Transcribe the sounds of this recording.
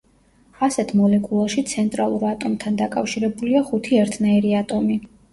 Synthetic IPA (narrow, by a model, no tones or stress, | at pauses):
asɛt̪ʰmɔlɛkʼulˠaʃit̪sʰɛnt̪ʼɾalˠuɾat̪ʼɔmt̪ʰand̪akʼafʃiɾɛbuliaχut̪ʰiɛɾt̪ʰnaiɾiat̪ʼɔmi